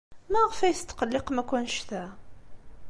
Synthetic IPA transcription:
mæʁfæjθt̪ːqəlːɪqmækʷːænʃt̪æ

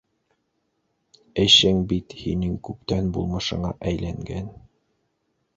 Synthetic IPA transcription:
ɘ̆ʃɘŋbit̪hinɘŋkʉp̚t̪ænbulˠmɤ̆ʃɤ̆ɴɑ̰ʔæjlæŋɡæn

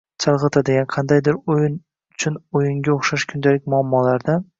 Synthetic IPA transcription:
t͡ʃʰɑlˠʁɨt̪ʰad̪eɡʲanqʰɑnd̪ajd̪ɪɾojɪn | ʊt͡ʃʰʊnojɪŋɡʲaoχʃaʃkʰʊnd̪alɪk̚ʲmʊamːɒlaɾd̪a

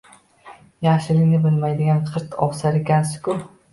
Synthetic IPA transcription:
jaχʃɪlɪkʲnɪbɪlmajd̪ɪɡʲanqʰɨɾt̪ʰɒ̰ʁsaɾekʲʰansɪ̥kʊ

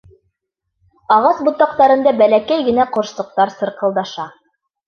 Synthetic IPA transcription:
ɑʁɑsbŏt̪ːɑq̚t̪ɑɾɤ̆nd̪ɑbælækæjɡɘ̆næqŏɾʃt̪ˠɤ̆q̚t̪ɑɾsɤ̆ɾqɤ̆lˠd̪ɑʃɑ

